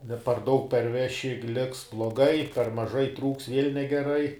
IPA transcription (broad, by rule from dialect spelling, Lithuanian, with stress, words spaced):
nʲɛ pɐr ˈdɐʊk pʲɛrʲˈʋʲæːʃʲɪ ˈlʲɪks blˠoːˈɡɐɪ pʲɛr mɐˈʒɐɪ ˈtruːks ʋʲiɛlʲ nʲɛɡʲɛˈrɐɪ